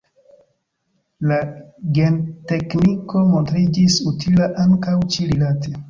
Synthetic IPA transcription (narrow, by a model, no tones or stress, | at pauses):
laɡe̞nte̞kniko̞mo̞ntɾid͡ʒisutʰilaʔaŋkawt͡ʃiɾilatʰe